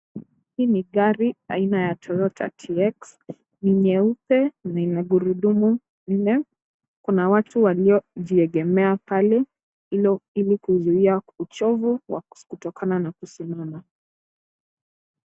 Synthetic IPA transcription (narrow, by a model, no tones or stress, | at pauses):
hiːniɠaɾia̰inajatʰɔɾɔtʰa̰tʰiɛks | niɲɛupɛnainaɡuɾuɗumu | n̩nɛ | kunawatuwaliɔʄiɛɠɛmɛapalɛ | ilɔilikuzuiaut͡ʃɔvuwa̰kutɔkananakusimana